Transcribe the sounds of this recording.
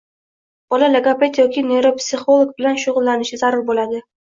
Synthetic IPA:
b̥ɒlaleɡape̞t̪jɒkʲɪne̞ɾopsɪχo̞lˠoɡ̚bɪlanʃʊʁʊlˠːanɪʃɪzaɾʊɾbolad̪ɪ

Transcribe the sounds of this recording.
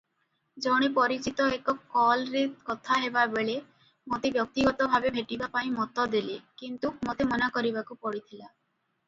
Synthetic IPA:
d͡ʒɔɽ̃ipɔɾit͡ʃit̪ɔekɔkɔlɾeɾkɔt̪ʰaɦebabeɭe | mot̪ebjɔk̚t̪iɡɔt̪ɔbʱabebʱeʈibapaĩmɔt̪ɔd̪ilekint̪ukmot̪emɔnakɔɾibakupɔɽit̪ʰila

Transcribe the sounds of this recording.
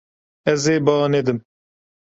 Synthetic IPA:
ɛzeːbɑːned̪ɨm

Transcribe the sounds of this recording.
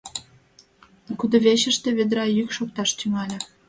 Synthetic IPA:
kud̪ŏβeɕəʃt̪ĕβed̪ɾɑjykʃok̚t̪ɑʃt̪yŋɑlʲĕ

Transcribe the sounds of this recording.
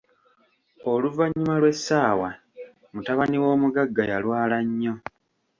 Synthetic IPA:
o̞luvaɲːumalwe̞sːaːwa | mutaβaniwo̞ːmuɡaɡːajalwaːlaɲːo̞

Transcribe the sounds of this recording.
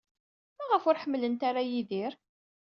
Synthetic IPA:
mæʁəfʊɾħəmːlənt̪aɾæjiðiɾ

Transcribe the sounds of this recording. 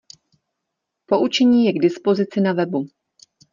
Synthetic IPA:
po̞ʔut͡ʃɛɲiːjɛɡdɪspo̞zɪt͡sɪnavɛbu

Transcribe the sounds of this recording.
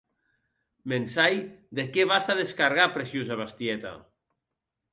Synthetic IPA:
mensajd̪ekeβasaðeskaɾɣapɾesjuzaβast̪iɛt̪a̰

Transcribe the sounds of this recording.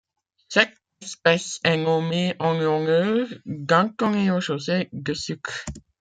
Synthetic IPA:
sɛk | ɛspɛsɛŋomeʔɑ̃ŋɔ̃ŋøɡãkɔ̃ŋeoʃosed̪əsyk

